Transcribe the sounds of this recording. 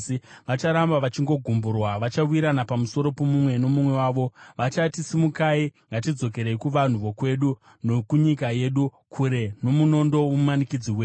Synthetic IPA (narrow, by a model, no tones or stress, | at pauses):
iʋat͡ʃaɾambaʋat͡ʃiŋɡo̞ɡʱumburwaʋat͡ʃawiɾanapamuso̞ɾo̞pomumwe̞no̞mumwe̞waːʋo̞ʋat͡ʃatisimukaiŋɡatid͡zo̞ke̞ɾe̞ikuʋan̤uʋo̞kwe̞ɗu | nokuɲikaje̞ɗu | kʰuɾe̞no̞muno̞ndo̞wumumanikid͡ziweː